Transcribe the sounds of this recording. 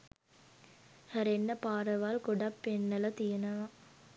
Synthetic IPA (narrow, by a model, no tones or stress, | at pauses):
hɐɾenːɐpaːɾɐʋaːlkɔɖɐpːenːɐlɐt̪ijɐnɐʋɐ